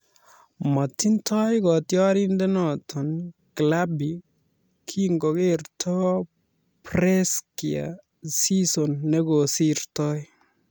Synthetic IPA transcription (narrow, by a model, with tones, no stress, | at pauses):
ma˨tːi˦ntʰɔ˦jkɔ˨tjɔ˦ɾi˦nde˦nɔ˨tʰɔ˨nkla˦bi˨ | kʰi˦ŋɡɔ˨ke˦rtʰɔ˦ | pɾɛ˦skia̰ | si˦so˨nːe˦ɡo˨si˦ɾtɔ˦j